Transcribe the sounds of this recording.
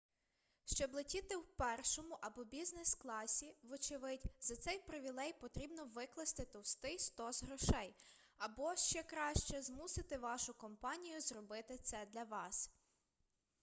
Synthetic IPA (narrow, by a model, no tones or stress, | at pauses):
ʃt͡ʃɔblˠɪtʲit̪ɪwpɛrʃɔmʊʔɐbɔbʲiznɛsklˠɑsʲiʋɔt͡ʃɪʋɪtʲzɐt̪sɛjpɾɪʋʲilˠɛjpɔt̪ɾʲibnɔʋɪklˠɐst̪ɪt̪ɔwst̪ɪjst̪ɔzɦɾɔʃɛj | ɐbɔʃt͡ʃɛkɾɑʃt͡ʃɛzmusɪt̪ɪʋɑʃʊkɔmpɑnʲijʊzrɔbɪt̪ɪt̪sɛd̪lʲɐʋɑs